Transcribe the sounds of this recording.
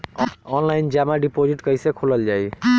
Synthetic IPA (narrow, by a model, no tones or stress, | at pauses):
ɔnlajnd͡ʒamaɖipod͡ʒiʈkəjsekʰoləld͡ʒaj